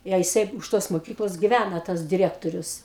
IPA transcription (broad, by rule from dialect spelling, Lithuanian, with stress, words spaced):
ˈjɛ jɪˈsɐɪ ʊʃ ˈtoːs moːˈkʲiːklˠoːs ɡʲɪˈʋʲænɐ ˈtɐs dʲɪˈrʲæːktoːrʲʊs